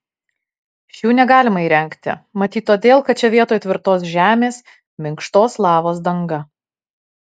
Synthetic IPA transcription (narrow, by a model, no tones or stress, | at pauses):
ʃʲjuːnʲɛɡɑːlʲɪmɐiːɾʲɛŋˑkt̪ʲɪ̰mɐt̪ʲiːt̪ːoːd̪ʲeːlˠkɐt̪̚t͡ʃʲɛʋʲiɛt̪oːjt̪ʲʋʲɪɾt̪oːsʒʲæːmʲeːs | mʲɪŋkʃt̪oːslˠɑːʋoːs̬d̪ɐŋɡɐ